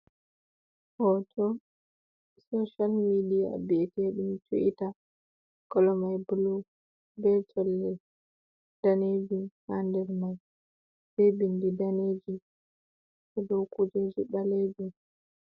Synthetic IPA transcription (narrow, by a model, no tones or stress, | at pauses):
hɔtʰɔ | sɔʃalmidia̰bitɛɗumt͡ʃṵʔita | kɔlɔmajbulu | bɛt͡ʃɔlːɛ | d̥aned͡ʒihandɛɾmaj | sebindidaneːd͡ʒi | sɔdɔwkud͡ʒɛzuɓaleːd͡ʒu